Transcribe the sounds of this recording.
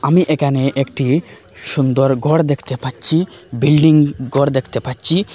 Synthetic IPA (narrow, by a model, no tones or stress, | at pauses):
amiʔekʰaneʔekʈi | ʃund̪oɾɡʱɔɽd̪ekʰt̪epatːɕʰi | bilɖiŋɡʱɔɽd̪ekʰt̪epatːɕʰi